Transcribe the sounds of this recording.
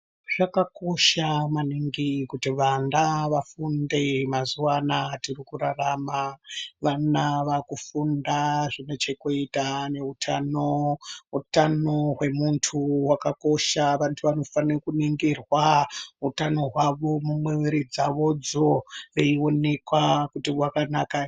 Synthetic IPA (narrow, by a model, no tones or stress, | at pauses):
ʐ̥akako̞ʃamaniŋɡikutiʋandaʋafundemazuwanatirikuraramaʋanaʋakufundaʐine̞t͡ʃe̞kuitane̞utʰano̞ɦutano̞ɦwe̞muntʰuwakako̞ʃaʋantʰuʋano̞fankuniŋɡirwaɦutano̞ɦwaʋo̞mumwiwiɾid͡zaʋo̞d͡zoeio̞ne̞kwakutiwakanaka